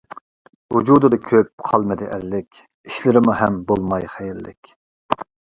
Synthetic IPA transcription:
wud͡ʒud̪ɨd̪ɨkʲʰøp̚qʰɑlˠmɪd̪ɪʔællɪkʲ | iʃlɪɾɪmuɦɛmbolˠmɑjχɛjɪlːɪ̰kʲ

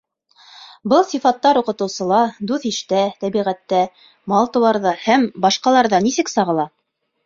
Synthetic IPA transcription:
bɤlˠsifɑt̪ːɑɾuqɤ̆t̪ɤ̆wsɤ̆lˠɑd̪ʉθiʃt̪æt̪æβiʁæt̪ːæ | mɑlˠt̪ɤ̆wɑɾðɑhæmbɑʃqɑlˠɑɾðɑnisɘksɑʁɤ̆lˠɑ

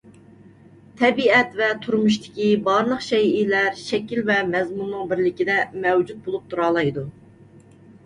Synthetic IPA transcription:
t̪ʰɛbiɛt̪vɛt̪ʰuɾmuʃt̪ʰɪ̥kʲibɑɾlˠəqʃɛjilæɾʃɛkʲilvɛmɛzmunːɨŋbɪɾlɪkʲid̪ɛmɛwd͡ʒut̪̚bulˠup̚t̪ʰuɾɑːlˠɑjd̪u

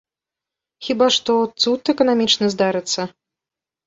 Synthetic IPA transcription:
xʲibaʂt̪ɔt̪sut̪ɛkɐnamʲit͡ʂnɨzd̪aɾɨt̪sːɐ

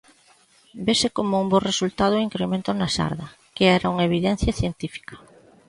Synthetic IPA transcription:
besɪkomʊumboresult̪að̞ʊiŋkɾemẽnt̪oznɐʃa̰ɾðɐ | keɛɾɐuŋaeβ̞iðɛn̟θjɐθjent̪ifi̥kɐ̥

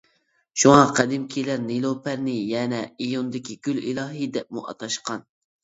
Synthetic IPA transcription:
ʃuŋɑqʰæd̪ɪmkʲʰilæɾnelˠopʰæɾnɪjɛnɛejond̪ɪkʲiɡ̥ʲylḭlˠɑːɦɨd̪ɛp̚muʔɑ̰t̪ʰɑʃqɑn

